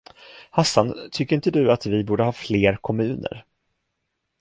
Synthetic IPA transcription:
hasːant̪ʰʏkːəɾɪnt̪əd̪ɵat̪vɪbuːɖəhɑːfleːɾkʰɔmʉ̟ːnə̰ɾ

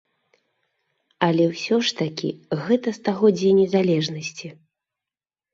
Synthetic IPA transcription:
ɐlʲɛwsʲɔʂt̪akʲḭɣɛt̪ɐst̪aɣɔd͡zʲɛnʲɛzalʲɛʐnɐsʲt͡sʲi

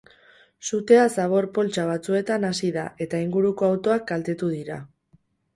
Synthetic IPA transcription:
sut̪e̞asaβ̞o̞ɾpo̞lt͡ʃaβ̞at͡sue̞t̪anasiða̰ʔe̞t̪aiŋɡuɾuko̞awt̪o̞ak̚ɡalt̪e̞t̪uð̞iɾa̰

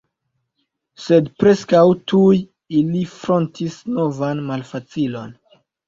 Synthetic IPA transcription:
se̞dpɾe̞skawtuj | ilifɾo̞ntisno̞vanmalfat͡silo̞̰n

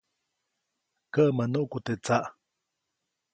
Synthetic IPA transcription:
kəʔmənuʔkut̪et͡saʔ

